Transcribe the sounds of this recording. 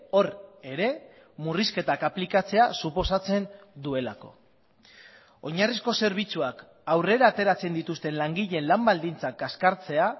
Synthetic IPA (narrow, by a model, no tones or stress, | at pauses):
o̞ɾe̞ɾe̞ | muriske̞t̪akaplikat͡se̞asupo̞sat͡se̞n | d̪ue̞lako̞̰ | oɲarisko̞se̞ɾβ̞it͡suak | awre̞ɾaːt̪e̞ɾat͡se̞nd̪it̪ust̪e̞nlaŋɡiʎe̞nlambald̪int͡sakaskaɾt͡se̞a